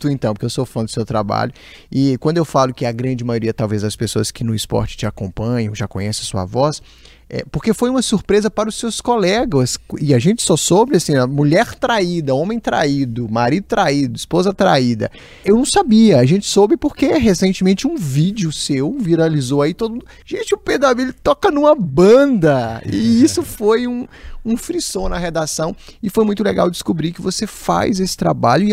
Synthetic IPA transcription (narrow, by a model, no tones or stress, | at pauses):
t̪ʊẽt̪ɐ̃w̃pokewst̪ofalɐ̃d̪d̪ʊsewt̪ɾaba̰ʎʊ | ɪkwɐ̃nd̪ʊewfalʊkɪɐɡɾɐ̃d͡ʒɪmajoɾiɐt̪awvezd̪ɐspesoɐskɪnʊɪspɔ̰ɾt͡ʃɪ̥t͡ʃɪakõpɐ̃ɲɐ̃w̃ʒakõɲɛsɪɐsuɐ̰vɔs | ɛ̰poɾkefojũmɐsuɾpɾezɐpaɾɐʊsːewskolɛɡɐsɪaʒẽnt͡ʃɪ̥sɔsobɾɪasĩɐmuʎɛɾt̪ɾaid̪ɐõmẽj̃t̪ɾa̰id̪ʊmaɾid̪ʊt̪ɾaid̪ʊispozɐt̪ɾa̰id̪ɐ̰ | ewnɐ̃w̃sabiɐaʒẽnt͡ʃɪ̥sobɪpoɾkeɦesẽnt͡ʃɪmẽnt͡ʃɪũvid͡ʒiʊsewviɾalizowait̪od̪ʊ | ʒ̥ẽnt͡ʃɪʊped̪aviʎt̪ɔkɐnũmɐbɐ̃nd̪ɐɪ̰isʊfojũũfɾisõnɐɦed̪asɐ̃w̃ɪfojmũj̃t̪ʊleɡa̰wd͡ʒɪskubɾikɪvosefa̰jzesɪ̥t̪ɾa̰baʎʊɪ